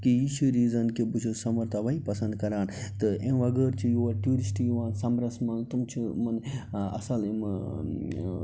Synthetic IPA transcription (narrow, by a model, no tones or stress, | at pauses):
kijiʃʰuɾiːzɐnkibut͡ʃʰusɐmɐɾt̪ʰɐʋɐipɐsɐ̃nd̪̚kɐɾaːnt̪ɨʔẽɐɡəɾt͡ʃʰijoːɐɾʈjuːɾisʈijuʋãːnsɐmɾɐsmɐnt̪umt͡ʃʰimɐnɐ̰sɐlim